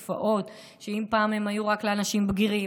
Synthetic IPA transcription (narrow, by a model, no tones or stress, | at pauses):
fa̰ʔo̞t | ʃeimpaːme̞majuʁakleanaʃimbɡiʁi